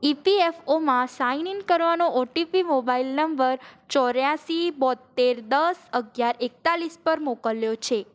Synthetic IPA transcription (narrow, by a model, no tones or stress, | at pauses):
ipiefomãsainiŋkəɾʋanoʔoʈipimobailnəmbəɾt͡ʃɔɾjasibɔd̪t̪ːeɾd̪əsəɡjaɾek̚t̪alispəɾmokəljot͡ʃʰe